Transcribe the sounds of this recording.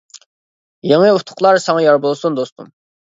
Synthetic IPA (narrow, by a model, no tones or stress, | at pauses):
jeŋɨut̪ʰʊ̥qlˠɑɾsɑŋɑjɑɾbolˠsund̪ost̪ṵm